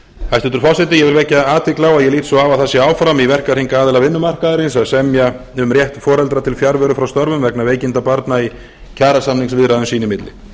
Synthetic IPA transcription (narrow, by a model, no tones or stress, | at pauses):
hajst̪ʏnt̪ʏɾ̥fɔ̥sɛt̪ɪjɛvɪlvɛcːaaːt̪ʰvɪklawaðjɛliːt̪sɔavaθasːɪaːwfɾamivɛr̥kaɾ̥hinkaːðɪlaɣvɪnːʏmar̥kaðaɾɪnsaðsɛmja | ʏmrjɛht̪fɔːɾɛlt̪ɾat̪ʰɪlfjaɾvɛɾʏfɾawst̪ɔɾvʏmvɛknaveːjcɪnt̪apaɾt̪nai | cʰaːɾasamniŋsvɪðɾaðʏmsiːnɪmɪt̪lɪ̰